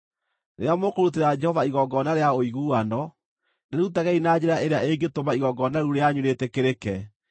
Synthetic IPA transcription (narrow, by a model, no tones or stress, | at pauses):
neɾeamokoɾut̬eɾad͡ʒɛhɔvaiɣɔɡɔnaɾeaoiɣuːanɔ | neɾɾutaɣɛinad͡ʑeɾaʔeɾeaeŋɡetomaiɣɔɡɔnaɾuɾeaɲuɾetɛkeɾekɛ